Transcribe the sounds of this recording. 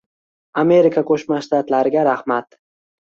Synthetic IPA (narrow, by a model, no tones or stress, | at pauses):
ame̞ɾɪkʰakʰɵʃmaʃt̪at̪laɾɪɡʲaɾahmat̪